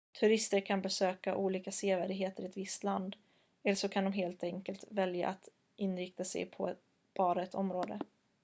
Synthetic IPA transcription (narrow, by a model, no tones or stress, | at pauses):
t̪ʰɵɾɪst̪əɾkʰanbɛsøːkaʔuːliːkaseːvæːɖɪɡɦeːt̪əɾɪɛt̪vɪst̪land̪ | ɛlʂɔkʰand̪ɔmɦeːlt̪ɛŋkəlt̪vɛlja̰ʔat̪ | ɪnɾɪkt̪asɛ̰jpʰɔ̰ | b̥ɑːɾaɛt̪ʰɔmɾoːd̪ə̰